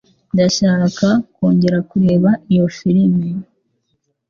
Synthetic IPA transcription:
ndaʃaɾakako̞ːɲɟe̞ɾakuɾe̞ːβaijofiɾimɡiɾ

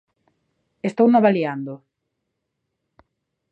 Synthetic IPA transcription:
est̪ownoβaliand̪o

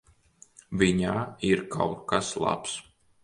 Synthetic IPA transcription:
vʲiɲaːiɾkʰa̰wtkaslˠa̰ps

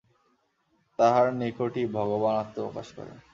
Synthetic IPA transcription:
t̪aɦaɾnekoʈibʱɔɡobanat̪ːoo̰ka̰ʃkɔ̰ɾḛn

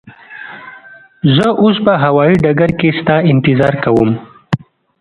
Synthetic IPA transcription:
zəʔospəɦawɑiɖaɡaɾkest̪ɑɪnt̪ɪzɑːɾkawum

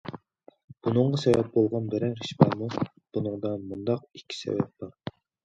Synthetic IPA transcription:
b̥unɨɴʁɑsɛvɛp̚bolˠʁɑnbɛɾɛnχiʃmɑːmu | b̥unɨŋd̪ɑnmund̪ɑq̚ikʲʰːi̥sɛ̰vɛ̰p̚b̥ɑɾ

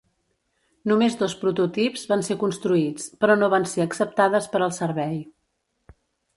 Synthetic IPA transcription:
numezðospɾut̪ut̪ipzβansekunst̪ɾuit͡spɾɔnoβanseəksəp̚t̪aðəspəɾəlˠsəɾβɛj

